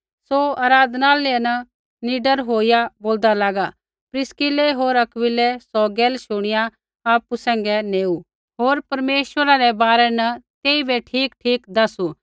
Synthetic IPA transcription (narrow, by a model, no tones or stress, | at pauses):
soaːɾaːd̪naːlenɐ | niːɖəɾɦoːɪjaboːld̪alaːɡa | pɾɪskɪleɦoːɾɐkʋɪlɛsɔɡɛːlʃʊɽ̃ɪja | aːpusɛ̃ːŋɡɛneːu | ɦoːɾpɐɾmeːʃʋəɾaɾɛbaːɾɛnɐt̪eːibʱeʈʰiːkʈʰiːkd̪ɐsu